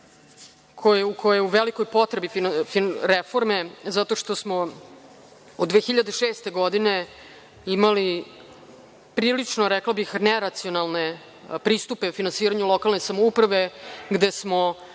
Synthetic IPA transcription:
kʰojeukʰojeuʋeliko̞jpo̞t̪ɾebiffiɾefo̞ɾme̞zat̪o̞ʂt̪o̞smo̞ | od̪ʋeːxiʎad̪eʃeːst̪eɡo̞d̪ine̞ | imali | pɾiːlit͡ʂnoɾɛklˠabixneɾat̪sionalˠne̞ | pɾiːst̪upe̞ufinansiːɾaɲulˠo̞kalˠne̞samoupɾaʋe̞ɡd̪esmo̞

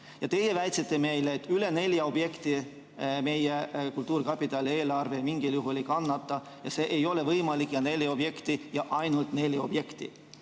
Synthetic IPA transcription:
jɑt̪e̞je̞væjt̪sit̪ːˑe̞me̞jleːt̪ːˑyle̞ne̞ljɑo̞b̥je̞kt̪i | me̞jekult̪ːˑuːɾkɑpːˑit̪ːˑɑlie̞ːlɑrve̞miŋɡ̥iljuɦulikɑnːɑt̪ːˑɑ | jɑse̞ːʔejo̞le̞vɤjmɑlikˑjɑne̞lʲeo̞b̥je̞kt̪ijɑʔɑjnult̪ne̞lʲjo̞b̥je̞kt̪ḭ

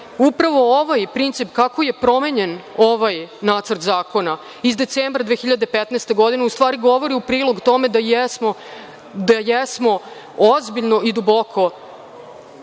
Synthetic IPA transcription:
upɾaʋo̞oʋajpɾint̪sipkako̞je̞pɾo̞me̞ɲe̞noʋajnaːt̪sr̩ɾt̪zaːko̞na | izd̪e̞t̪seːmbɾad̪ʋeːxiʎad̪epet̪nɛːst̪e̞ɡo̞d̪ineust̪ʋaːɾiɡo̞ʋo̞ɾiupɾiːlˠoɡt̪o̞me̞d̪asmo | d̪ajesmo̞ | ozbiʎno̞ʔid̪ubo̞kʰo̞

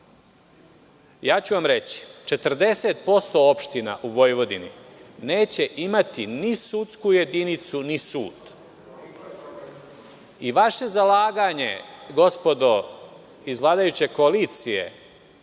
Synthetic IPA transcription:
jaːt͡ɕuʋamɾe̞t͡ɕi̥t͡ʃe̞t̪r̩d̪e̞set̪po̞st̪o̞opʃt̪ina̰ʔuʋo̞jʋo̞d̪inḭne̞ːt͡ɕe̞ʔimat̪inisut̪skuje̞d̪init̪sunisuːd̪ | iʋaʃe̞zalaːɡaɲe̞ɡo̞spo̞d̪o̞ | izʋlˠaːd̪ajut͡ɕe̞koaliːt̪sije̞̰

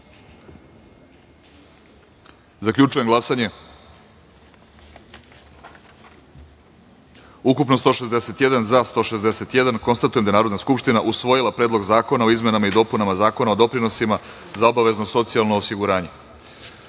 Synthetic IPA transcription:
zakʎʲut͡ʃuje̞mɡlˠasaɲe̞ | ukupnost̪o̞ːʃe̞zd̪ese̞t̪jed̪anzast̪o̞ːʃezd̪ese̞t̪jed̪anko̞nst̪at̪ujed̪aenaːɾo̞d̪naskupʃt̪inaʔusʋo̞jilˠapɾeːd̪lˠo̞ɡzaːko̞nao̞izme̞namaid̪o̞punamazaːko̞naod̪o̞pɾino̞sima | zao̞baʋe̞zno̞so̞t̪sialˠnoːsiɡuɾaːɲe̞

